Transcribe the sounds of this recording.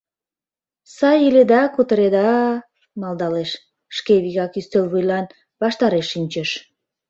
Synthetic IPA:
sɑjiled̪ɑkut̪əɾed̪ɑ | mɑld̪ɑleʃ | ʃkeβiɣɑkyst̪elβujlɑn | βɑʃt̪ɑɾeʃːinʲt͡ɕəʃ

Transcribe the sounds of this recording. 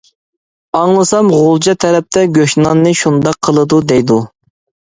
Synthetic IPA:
ɑŋlˠɨsɑmʁolˠd͡ʒɑt̪ʰɛɾɛp̚t̪ʰɛɡʲøʃnɑnːɨʃund̪ɑqʰːəlˠɨd̪ud̪ɛjd̪u

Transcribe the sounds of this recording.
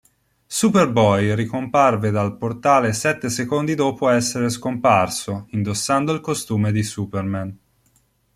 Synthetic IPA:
superbɔjrikomparved̪alport̪aːlesɛt̪ːesekond̪id̪ɔːpoɛsːeɾeskomparsoind̪osːand̪oilkost̪uːmed̪isuːpermɛn

